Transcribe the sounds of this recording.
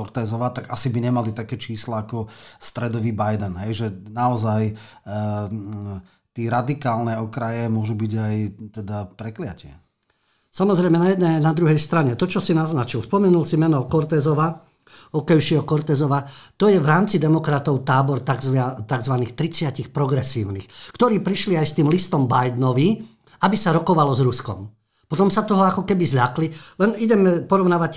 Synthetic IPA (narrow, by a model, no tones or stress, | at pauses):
ɔɾt̪ɛːzɔʋat̪aɡasibiɲɛmalit̪akɛːt͡ʃiːslaːkɔst̪ɾɛd̪ɔʋiːbajd̪ɛnɦɛjʒɛnaɔzaj | t̪ɛːɾad̪ikaːlnɛɔkɾajɛmʊɔʒubiɟajt̪ɛd̪apɾɛklɪa̰cɪɛ | samɔzɾɛjmɛnajɛd̪nɛnad̪ɾuɦɛjst̪ɾaɲɛt̪ɔt͡ʃɔsinaznat͡ʃilspɔmɛnulsimɛnɔkɔɾt̪ɛːzɔʋa | ɔkɛjʊʃɛɦɔkɔɾt̪ɛːzɔʋat̪ɔjɛʋɾaːmt͡sid̪ɛmɔkɾat̪ɔʊt̪aːbɔɾt̪aɡzʋat̪aɡzʋaniːxt̪ɾit͡sɪacixpɾɔɡɾɛsiːʊnḭxkt̪ɔɾiːpɾiʃliajst̪iːmlist̪ɔmbajd̪nɔʋi | abisaɾɔkɔʋalɔzɾuskɔ̰m | pɔt̪ɔmsat̪ɔɦɔakɔkɛbizʎaklilɛniɟɛmɛpɔɾɔʊnaːʋac